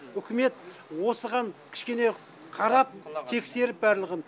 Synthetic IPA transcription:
ʏkʲʰɪme̞t̪wo̞səɾʁɑnkʲʰɪ̥ʃkʲe̞ne̞ | qʰɑɾɑp̚t̪ʰe̞kse̞ɾɪp̚bæɾlˠəʁən

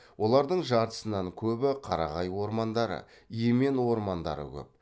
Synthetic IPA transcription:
wʔo̞lˠɑɾd̪əɴʒɑɾt̪ə̥sənɑŋkʲʰɵbɪqʰɑɾɑ̰ʁɑjwo̞ɾmɑnd̪ɑɾə̰ | ijeme̞nwo̞ɾmɑnd̪ɑ̰ɾə̰kʲʰɵ̰p̚

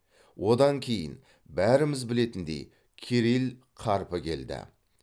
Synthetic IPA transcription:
wʔo̞d̪ɑŋkʲʰe̞jɪ̰n | bæɾɪmɪzbɪle̞t̪ɪnd̪ḛj | kʲʰeɾil | qʰɑɾpəkʲʰe̞̰ld̪ɪ̰

